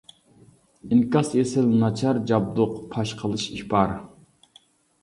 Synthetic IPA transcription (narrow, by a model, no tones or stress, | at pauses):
inkɑsesɪlnɑt͡ʃʰɑɾd͡ʒɑb̚d̪ʊqpʰɑʃqʰəlˠɨʃibɑɾ